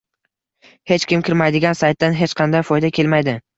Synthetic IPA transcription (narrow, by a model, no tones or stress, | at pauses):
he̞t͡ʃkʲɪmkʲɪɾmajd̪ɪɡʲansajt̪ːanɦe̞t͡ʃqʰɑnd̪ajfɒjd̪akʲʰe̞lmajd̪ɪ